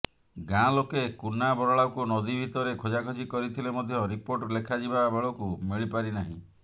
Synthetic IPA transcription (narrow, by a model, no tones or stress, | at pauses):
ɡãlokekunːabɔɾɔɭawkunɔd̪ibʱit̪ɔɾekʰod͡ʒakʰɔd͡ʒikɔɾit̪ʰilemɔd̪ʱjɔɾipoɾʈlekʰad͡ʒibabeɭɔkumiɭipaɾinaɦḭ̃